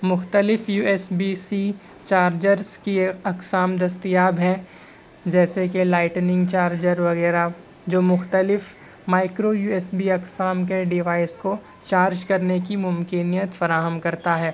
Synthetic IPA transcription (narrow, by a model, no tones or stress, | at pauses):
mʊxt̪əlɪfjuːɛːsbiːsi | t͡ʃaːɾd͡ʒəɾzkiɐksaːmd̪ɐst̪ijaːbɦɛ̃ | d͡ʒɛːsekelaːɪʈnɪ̃ŋɡt͡ʃaːɾd͡ʒəɾʋɐɣɛːɾa | d͡ʒoːmʊxt̪əlɪf | maːɪkɾojuːɛːsbiɐksaːmk̬eɖɪʋaːɪsko | t͡ʃaːɾd͡ʒkɐɾnekimʊmkɪnijət̪fɐɾaːɦəmkɐɾt̪aɦɛː